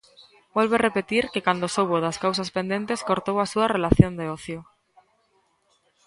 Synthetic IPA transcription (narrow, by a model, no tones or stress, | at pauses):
bolβerepet̪iɾkekand̪osoβoðaskawsaspend̪e̞nt̪e̞skoɾt̪owasuarelaθjond̪eoθjo